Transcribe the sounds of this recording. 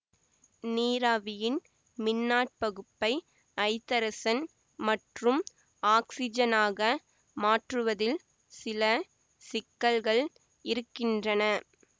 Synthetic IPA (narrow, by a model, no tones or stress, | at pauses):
niːɾaːʋɪjɪn | mɪnːaːʈ̚pɐɣɯpːɐɪ | ʔɐɪt̪ːɐɾɐsɐn | mɐʈrɯm | aːksɪd͡ʒɐnaːɣɐ | maːʈrɯʋɐðɪl | sɪlɐ | sɪkːɐɭɣɐɭ | ɪɾɯkːɪndrɐnɐ